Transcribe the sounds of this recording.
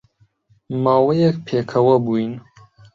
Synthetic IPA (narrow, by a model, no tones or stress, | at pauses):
maːwɐjɛkpʰeːkʰɐwɐbuːin